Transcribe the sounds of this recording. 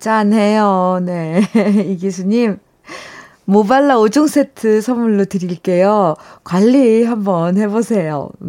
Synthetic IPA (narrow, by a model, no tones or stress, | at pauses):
t͡ɕanɦe̞jone̞iɡisʰuɲim | obaɭːaod͡ʑoŋs͈ʰe̞tʰɯsʰʌmuɭːotɯɾiɭk͈e̞jokwaʎːiɦambʌnhe̞bosʰe̞jo̰